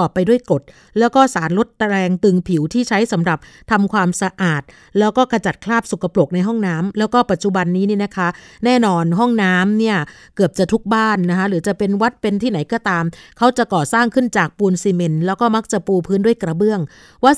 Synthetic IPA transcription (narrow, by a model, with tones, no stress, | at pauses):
ɔː˨˩pːa˧jdu˥˩əjko˨˩t̪̚ | lɛː˦˥wkɔː˥˩saː˩˦nlo˦˥t̪̚ːa˧ɾɛː˧ŋt̪ɯ˨˩ŋpʰi˨˩˦wt̪ʰiː˥˩t͡ɕʰa˦˥jsa˩˦mɾa˨˩p̚ | t̪ʰa˧mkʰwaː˧msa˧ʔaː˨˩t̪̚lɛː˦˥wkɔː˥˩ka˧t͡ɕa˨˩t̪̚kʰlaː˥˩p̚su˨˩kʰːa˧plo˨˩k̚na˧jɦɔ˥˩ŋnaː˦˥mlɛː˦˥wkɔː˥˩pa˨˩t̪̚t͡ɕu˨˩ba˧nːiː˦˥ni˥˩na˦˥kʰa˦˥nɛː˥˩nɔː˧nɦɔ˥˩ŋnaː˦˥mni˥˩ɐ | kɯ˨˩əp̚t͡ɕa˨˩t̪ʰu˦˥k̚baː˥˩nːa˦˥kʰa˦˥ɾɯː˩˦t͡ɕa˨˩pe˧nwa˦˥t̪̚pe˧nt̪ʰiː˥˩na˩˦jkɔː˥˩t̪aː˧mkʰa˦˥wt͡ɕa˨˩kɔː˨˩saː˥˩ŋkʰɯ˥˩nt͡ɕaː˨˩k̚puː˧nsi˧me˧nlɛː˦˥wkɔː˥˩ma˦˥k̚t͡ɕa˨˩puː˧pʰɯː˦˥ndu˥˩əjkɾa˧bɯ˥˩əŋ | waː˥˩